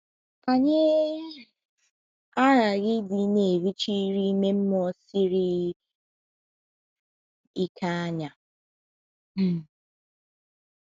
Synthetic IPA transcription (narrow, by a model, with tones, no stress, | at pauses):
a˨ɲe˦ | a˦ɾa˨ɣɪ˦dɪ˨ne˨wi˦t͡ʃi˦ɾi˦me˦m̩˦m˦ɔ˦si˦ɾɪ˦ | i˦kʰa˦a˦ɲa˨ | m̩˨